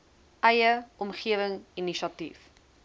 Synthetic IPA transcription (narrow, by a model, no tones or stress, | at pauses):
ʔɐjəɔmχiəvəŋiniʃɐtḭf